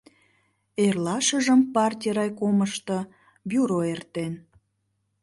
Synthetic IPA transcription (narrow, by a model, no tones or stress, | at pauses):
erlɑʃəʒəmpɑrtʲiɾɑjkoməʃt̪ə | byɾoert̪en